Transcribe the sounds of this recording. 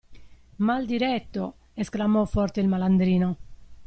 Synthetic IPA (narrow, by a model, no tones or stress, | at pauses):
mald̪iɾɛt̪ːo̰ | esklamɔfɔrt̪eilmaland̪ɾiːno